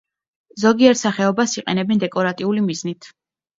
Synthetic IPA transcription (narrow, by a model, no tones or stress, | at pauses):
zɔɡiɛɾsaχɛɔbasiqʼɛ̰nɛbɛnd̪ɛkʼɔɾat̪ʼiulimiznit̪ʰ